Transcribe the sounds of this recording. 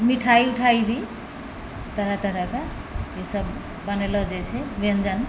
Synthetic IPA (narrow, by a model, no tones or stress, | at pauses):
miʈʰajuʈʰajbʱi | t̪ʌɾat̪ʌɾaka | jesʌbː | ʌnelʌd͡zet͡sʰebend͡zan